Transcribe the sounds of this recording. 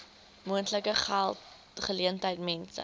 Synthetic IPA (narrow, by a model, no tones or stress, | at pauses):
muəntləkəχælˠt | χəliəntəjtmɛnsə̰